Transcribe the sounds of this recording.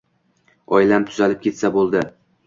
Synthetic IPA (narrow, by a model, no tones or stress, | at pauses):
ɒjlamt̪ʰʊ̥zalɪp̚kʲʰe̞t̪sabolˠd̪ɪ